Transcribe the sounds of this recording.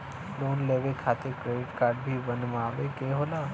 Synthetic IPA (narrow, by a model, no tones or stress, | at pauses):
loːnleːʋekʰaːt̪ekɾeːɖɪʈkaːɾɖ̚bʱibənmaːʋekeːɦoːlaː